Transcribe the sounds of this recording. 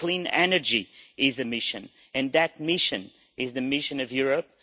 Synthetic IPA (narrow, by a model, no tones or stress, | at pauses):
kl̥ĩnɛnə˞d͡ʒiɪzɨmɪʃɨ̃n | ɨ̃nðɨt̚mɪʃɨ̰̃n | ɪzðɨmɪʃɨ̃nʌvjʊɹɨp̚